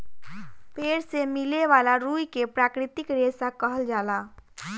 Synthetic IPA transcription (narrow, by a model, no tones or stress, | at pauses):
peːɾsemileʋaːlaɾujkepɾaːkɾɪt̪ɪkɾesakəɦəld͡ʒaːla